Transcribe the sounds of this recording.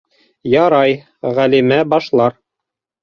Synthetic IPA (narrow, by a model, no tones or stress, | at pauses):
jɑɾɑj | ʁælimæbɑʃlˠɑɾ